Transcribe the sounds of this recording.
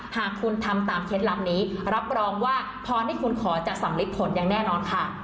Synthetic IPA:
haː˨˩kʰːu˧nt̪ʰa˧mt̪aː˨˩mkʰeː˦˥t̪̚la˨˩p̚niː˦˥ɾa˦˥p̚ɾɔː˧ŋwaː˥˩ | pʰɔː˧ha˥˩jkʰu˧nkʰɔː˩˦t͡ɕa˨˩ʔsa˨˩˦mli˦˥t̪̚pʰo˨˩˦nja˧ŋnɛː˥˩nɔː˧nkʰa˥˩

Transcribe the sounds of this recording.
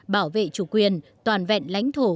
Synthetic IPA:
ɓaː˧˩wvḛ˧˨t͡ɕu˧˩kwi˨˩ənt̪waː˨˩nvɛ̰˧˨nla̰˧˦jŋ̟t̪ʰo˧˩

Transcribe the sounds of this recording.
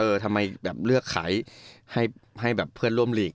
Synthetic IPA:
ʔɤː˧t̪ʰa˧mːa˧jbɛː˨˩p̚lɯ˥˩əkʰːa̰ː˩˦jha˥˩jɦa˥˩jbɛː˨˩pʰːɯ˥˩ənɾu˥˩əmliː˨˩k̚

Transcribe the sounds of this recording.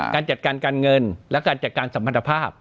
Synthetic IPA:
kaː˧nt͡ɕa˨˩t̪̚kaː˧nkaː˧nŋɤ˧nlɛ˦˥kaː˧nt͡ɕa˨˩t̪̚kaː˧nsa˨˩˦mːa˧t̪ʰːa˧pʰaː˥˩p̚

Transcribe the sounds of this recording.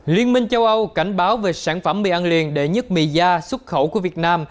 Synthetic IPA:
li˧ənmï˧ŋt͡ɕə˧wʔə˧wka˧˩jŋ̟ɓaː˨˦wve˨˩saː˧˩nfə˧˩mːḭ˧˩ʔa˧nlḭ˧˨ənɗe˧˩ɲə˦˥t̚mḭ˧˨zaː˧swə˦˥t̚xə˧˩wku˧˩əvi˨˩ət̚naː˧m

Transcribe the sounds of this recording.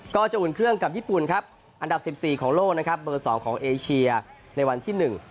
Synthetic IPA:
kɔː˥˩t͡ɕa˨˩ʔuː˨˩nkʰɾɯ˥˩əŋka˨˩p̚jiː˥˩pu˨˩nkʰɾa˦˥p̚ | ʔa˧nda˨˩p̚si˨˩p̚siː˨˩kʰɔː˩˦ŋloː˥˩k̚na˦˥kʰɾa˦˥p̚bɤː˧sɔː˩˦ŋkʰɔː˩˦ŋʔeː˧t͡ɕʰi˧ɐ | na˧jwa˧nt̪ʰiː˥˩nɯ˨˩ŋ

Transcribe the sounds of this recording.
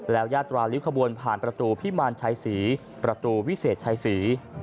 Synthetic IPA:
lɛː˦˥wjaː˥˩t̪ːɾaː˧li˦˥wkʰa˧bu˧ənpʰaː˨˩npɾa˧t̪uː˧pʰi˦˥maː˧nt͡ɕʰa˧jsiː˩˦ | pɾa˧t̪uː˧wi˦˥seː˨˩t̪̚t͡ɕʰa˧jsiː˩˦

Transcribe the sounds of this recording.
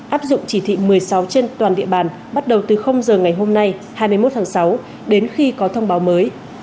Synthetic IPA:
ʔaː˦˥p̚zʊ̰˧˨ŋ͡mt͡ɕi˧˩t̪ʰḭ˧˨mɨ˨˩əjsa˨˦wt͡ɕe˧nt̪waː˨˩nɗḭ˧˨əɓaː˧˩n | ɓa˦˥t̚ɗə˨˩wt̪ɨ˨˩xə˧wŋ͡mzəː˨˩ŋa˨˩jɦo˧mna˧j | haː˧jmɨ˧əjmo˦˥t̚t̪ʰaː˨˦ŋsa˨˦w | ɗe˨˦nxi˧kɔ˨˦t̪ʰə˧wŋ͡mɓaː˨˦wməː˨˦j

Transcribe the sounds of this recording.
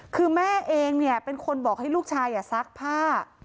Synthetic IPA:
kʰɯː˧mɛː˥˩ʔeː˧ŋni˥˩ɐpe˧nkʰo˧nbɔː˨˩k̚ha˥˩jluː˥˩k̚t͡ɕʰaː˧jːaː˨˩sa˦˥k̚pʰaː˥˩

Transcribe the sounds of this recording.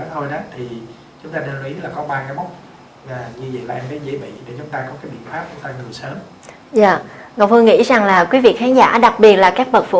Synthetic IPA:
t̪ʰo˧jɗaː˨˦t̪ʰi˨˩ | t͡ɕʊ˨˦ŋ͡mt̪aː˧ne˧nlwi˨˦laː˨˩kɔ˨˦ɓaː˧kaː˨˦jmɔ˦˥wk͡p̚ | laː˨˩ɲɨ˧zə̰˧˨laː˨ʔɛ˧mvəː˨˦zḭ˧˥ɓḭ˧˨ɗe˧˩t͡ɕʊ˨˦ŋ͡mt̪aː˧kɔ˨˦kaː˨˦jɓḭ˧˨ənfaː˦˥p̚t͡ɕʊ˨˧˦ŋ͡mt̪aː˧ŋɨ˨˩əjsəː˨˦m | zaː˧˨ŋɔ˨˩w̚fɨ˧ŋḭ˧˥za˨˩ŋlaː˨˩kwi˨˦vi˨˩ət̚xaː˨˦ŋza̰ː˧˥˩ɗa˨˩k̚ɓi˨˩ət̚laː˨˩kaː˦˥k̚ɓə˨˩t̚fṵ˧˥

